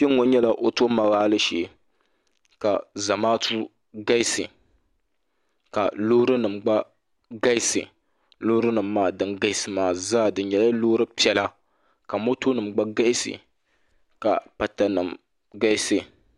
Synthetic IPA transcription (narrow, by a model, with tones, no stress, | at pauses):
pe˦ŋ˦o˨ɲɛ˦la˦ʔo˨to˦ma˨ɣaː˦lɨ˦ʃeː˨ | ka˨za˨maː˦tu˦ | ɡa˦i˦sɨ̰˨ | ka̰˨lo˦ɾɨ˦nɨ˨mɡ͡ba˦ | ɡa˦ɪ˦sɨ̰˨ | lo˦ɾɨ˦nɨ˨mːaː˦˨dɨ˦nɡa˦ɪ˦sɨ˨maː˨zaː˦˨dɨ˨˦n˦ɲɛ˨la˦lo˦ɾɨ˦pi˦ɛ˦la˦ | ka˨mo˦to˦nɨ˨mɡ͡ba˦ɡa˦ɪ˦sɨ̰˨ | ka̰˨pa˨ta˨nɨ̰˨m | ɡa˦sɨ˨